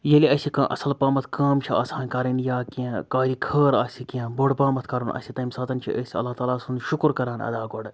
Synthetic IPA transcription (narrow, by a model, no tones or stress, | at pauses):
jeliɐsʲikãːʔɐsɐlpaːmɐt̪ʰkaːmt͡ʃʰia̰ːsaːnkaːɾɐnjaːkiẽkaːɾiːkʰəːɾaːsʲikiẽːboɽpaːmɐt̪ʰkɐɾuːnʔɐ̰sʲit̪ɐmsaːt̪ɐnt͡ʃʰḭʔɐsʲiɐ̰lːaːt̪aːlaːsunʃʊkɾkɐɾaːnɐ̰d̪aːkoɽ